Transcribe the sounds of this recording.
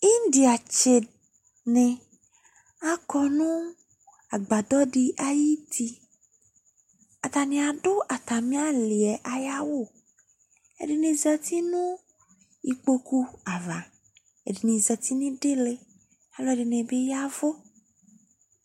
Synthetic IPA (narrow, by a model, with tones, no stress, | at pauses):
i˦n˦di˨a˨t͡ʃe˨ | nẽ˨ | a˦kɔ˨nũ˦ | a˨ɡ͡ba˨d̪ɔ˦ɖi˦ʔa˨ji˦t̪ʰi˦ | a˨t̪a˨nĩ˨a˨ɖo˦ʔa˨t̪a˨mĩ˦a˦li˨ɛ˨ʔa˨ja˦wo˦˨ | ḛ˨ɖi˨nĩ˨zɛ˨t̪i˦nũ˦ | i˨k͡po˦ku˦a˨va˨ | ḛ˨ɖi˨nĩ˨zɛ˨t̪i˦nĩ˦ɖe˦le˦ | a˦lɔ˦˨ɖe˨nẽ˨be˦ja˦vo˦